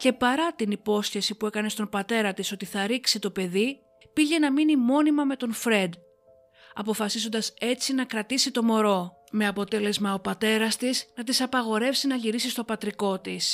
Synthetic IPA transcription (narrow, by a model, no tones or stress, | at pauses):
ce̞pɐɾɐt̪inipo̞sçe̞sipue̞kɐne̞st̪o̞bɐt̪e̞ɾɐt̪iso̞t̪iθɐɾiksit̪o̞pe̞ði | piʝe̞nɐminimo̞nimɐme̞t̪o̞nfɾe̞d̪ | ɐ̰po̞fɐsizo̞nd̪ɐse̞t͡sinɐkɾɐt̪isit̪o̞mo̞ɾo̞ | me̞ɐpo̞t̪e̞le̞zmɐo̞pɐt̪e̞ɾɐst̪isnɐt̪̬isɐpɐɣo̞ɾe̞fsinɐʎiɾisist̪o̞pɐt̪ɾiko̞t̪is